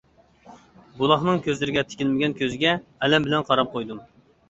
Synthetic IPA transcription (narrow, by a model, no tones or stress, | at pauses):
bulˠɑχnɨŋkʲøzlɪɾɪɡʲɛt̪ʰɪ̥kʲilmɪɡʲɛnkʲʰøzɪɡʲɛɛlɛmbɪlɛnqʰɑɾɑp̚qʰojd̪um